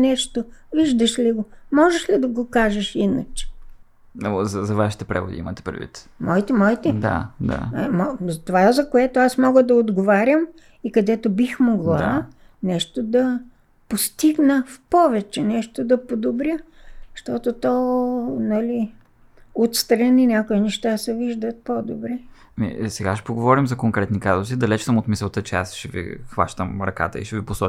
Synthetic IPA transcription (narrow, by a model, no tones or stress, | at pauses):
nɛʃt̪oviʒd̪əʃliɡomɔʒɛʃlid̪ɐɡokaʒəʃinə̰t͡ʃɛ̥ | zɐzɐvaʃi̥t̪ɛpɾɛ̰vo̰d̪ḭḭmə̰t̪ɛ̥pɾɛd̪vḭt̪mɔit̪ɛmɔit̪ɛd̪a̰d̪a̰mɔzɐt̪ovazɐkoɛt̪oasmɔɡəd̪ɐod̪ɡovaɾʲəm | ikɐd̪ɛt̪obixmoɡlˠa | nɛʃt̪od̪ɐ | post̪iɡnəfpɔvɛt͡ʃɛnɛʃt̪od̪ɐpod̪obɾʲəʃt̪ɔt̪ot̪ɔnɐli | ot̪st̪ɾɐninʲjakoinɛʃt̪asɛviʒd̪ət̪̚pod̪obɾɛ | mḭsɛɡaʃɛ̥poɡovɔɾimzɐkoŋkɾɛt̪nikazosid̪ɐlɛt͡ʃsəmot̪misəlˠt̪ət͡ʃɛa̰sʃɛvḭxva̰ʃt̪əmɾɐ̰ka̰t̪ə̰ḭʃɛviposɔ